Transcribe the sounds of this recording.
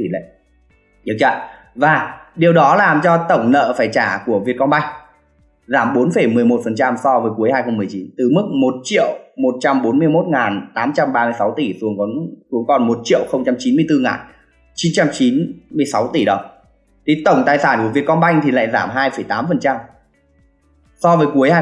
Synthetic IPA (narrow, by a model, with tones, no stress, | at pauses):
i˨˩la̰˧˨ | i˨˦t͡ɕa̰ː˧˨ | vaː˨˩ɗi˨˩əwɗɔ˨˦laː˨˩mt͡ɕɔ˧t̪ə˧˩wŋ͡mnə̰ː˧˨faː˧˩jt͡ɕaː˧˩ku˧˩əvi˨˩ət̚kɔ˧nɓa˧jŋ̟ | zaː˧˩mɓo˨˦nfə˧˩jmɨ˨˩əjmo˨˩t̚fə˨˩nt͡ɕa˧msɔ˧vəː˨˦jku˨˦əjhaː˧jxə˧ŋ͡mm˨˩əjt͡ɕi˨˦nt̪ɨ˨˩mɨ˦˥k̚mo˨˩t̚t͡ɕḭ˧˨əwmo˨˩t̚t͡ɕa˧mɓo˨˦nmɨ˧əjmo˦˥t̚ŋaː˨˩nt̪aː˨˦mt͡ɕa˧mɓaː˧mɨ˧əjsa˨˦wt̪i˧˩su˨˦əŋkɔ˨˦nsu˨˦əŋkɔ˨˩nmo˨˩t̚t͡ɕḭ˧˨əwxə˧wŋ͡mt͡ɕa˧mt͡ɕi˨˦nmɨ˧əjt̪ɨ˧ŋa̰ː˨˩n | t͡ɕi˨˦nt͡ɕa˧mt͡ɕi˨˦nmɨ˧əjsa˨˦wt̪i˧˩ɗə˨˩wŋ͡m | t̪ʰi˨˩t̪ə˧˩wŋ͡mt̪aː˨˩jsaː˧˩nku˧˩vi˨˩əkɔ˧nɓa˧jŋ̟t̪ʰi˨˩la̰ː˧˨jzaː˧˩mɦaː˧jfə˧˩jt̪aː˨˦mfə˨˩nt͡ɕa˧m | sɔ˧vəː˨˦jku˨˦əjhaː˧